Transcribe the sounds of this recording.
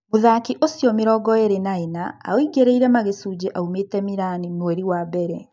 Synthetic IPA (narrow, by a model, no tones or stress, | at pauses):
moðakiʔosjɔmeɾɔːɡɔeɾenaenaa̰oiɡeɾeiɾɛmaɣesuːd͡ʑeʔaumetɛmiɾaninwɛɾiwabɛɾɛ